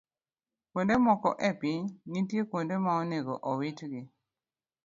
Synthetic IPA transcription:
kondemɔkɔ̰ʔɛpɪɲnitjekwondemaɔneɡoʔɔwit͡ʃɡɪ

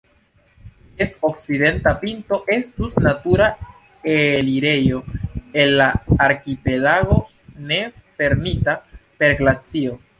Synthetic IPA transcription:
esokside̞ntapinto̞ʔe̞stusnatuɾa | eliɾe̞jo̞e̞nːaːɾkipe̞laɡo̞ | ne̞fe̞ɾmitape̞ɾɡlat͡sio̞

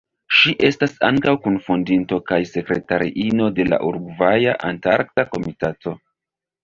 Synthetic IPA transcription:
ʃiʔe̞stasa̰ŋkawkunfundinto̞kajse̞kɾe̞taɾiʔino̞de̞la̰ʔuɾɡvajaʔantaɾk̚tako̞mitato̞

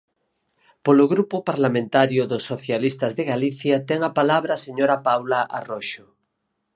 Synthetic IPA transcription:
polʊɣɾupʊpaɾlamẽnt̪aɾjʊðosːoθjalist̪azðeɣaliθjat̪ɛŋapalaβɾaːseɲoɾapawlaʔa̰roʃʊ

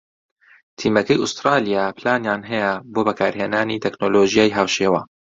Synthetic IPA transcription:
t̪ʰiːmɐkɐjʊst̪ɾaːlijaːplaːnjaːnɦɛjɛboːbɐkʰaːɾheːnaːnit̪ʰɛknoːloʒijaːjɦaːwʃeːwaː

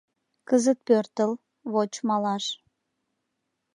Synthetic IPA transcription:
kəzət̪̚pørt̪əl | βot͡ɕmɑlɑʃ

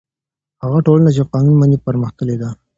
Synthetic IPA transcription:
haɣaʈolənad͡ʒaqɑnunmanipəɾməxt̪əled̪a

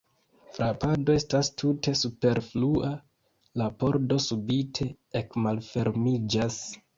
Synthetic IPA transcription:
fɾapado̞e̞stastʰute̞supe̞ɾfluʔa | lapo̞ɾdo̞subitʰe̞ | ekmalfe̞ɾmid͡ʒas

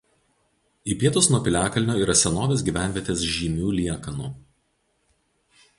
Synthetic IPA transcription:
iːpʲiɛt̪ʊsnuɔpʲɪlʲæːkɐlʲnʲoːiːɾɐsʲɛnoːʋʲeːs̬ɡʲiːʋʲæˑnʲʋʲiɛt̪ʲeːsʒʲiːmʲuːlʲiɛkɐnuː

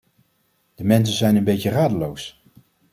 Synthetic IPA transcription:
d̥əmɛns̬ənzɛjnənbejcəraːdəlows

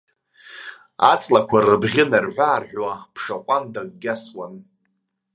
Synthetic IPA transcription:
a̰t͡sʼlakʷʰarɨbʁʲɪnarħʷaːrħʷwapʰʂaqʷʼandaɡ̚ʼɡʲaswan

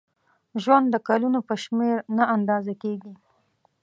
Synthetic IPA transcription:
ʒwand̪ːəkalunopəʃmeɾnaand̪ɑzakeɡi

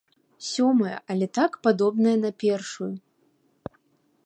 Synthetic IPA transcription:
sʲɔmɐjɐ̰ʔɐlʲɛt̪akpad̪ɔbnɐjɐnɐpʲɛrʂuju

